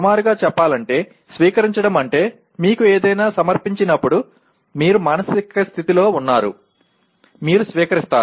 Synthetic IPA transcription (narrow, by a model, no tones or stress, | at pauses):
umaːɾuɡaːt͡ʃɛpːaːlɐɳʈe̞ː | sʋiːkɐɾiɲt͡ʃɐɽɐmɐɳʈe̞ː | miːkueːd̪ɐjnaːsɐmɐɾpiɲt͡ʃinɐpːuɽu | miːɾumaːnɐsikɐst̪ʰit̪ilo̞ːunːaːɾṵ | miːɾusʋiːkɐɾist̪aː